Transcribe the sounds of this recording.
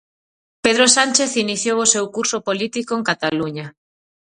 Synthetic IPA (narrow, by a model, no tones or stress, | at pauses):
peð̞ɾosanʲt͡ʃeθiniθjowosewkuɾsopolit̪ikoeŋkat̪aluɲa